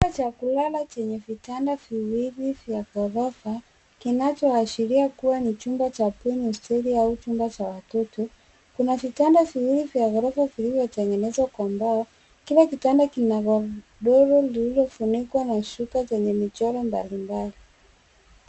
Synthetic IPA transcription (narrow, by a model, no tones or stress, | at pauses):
uat͡ʃakulalat͡ʃɛɲɛvitandaviwiɾivjaɣɔɾafa | kinat͡ʃɔaʃiɾiakuwanit͡ʃumbat͡ʃapɛniɔstɛɾiaut͡ʃumbat͡ʃawatɔtɔ | kunavitandaviwiɾivjaɣɔɾafavilivjɔtɛŋɡɛnɛzwakwambaɔ | kilakitandakinaɣɔ | ɗɔɾɔlililɔfunikwanaʃukat͡ʃɛɲɛmit͡ʃɔɾɔmba̰limbali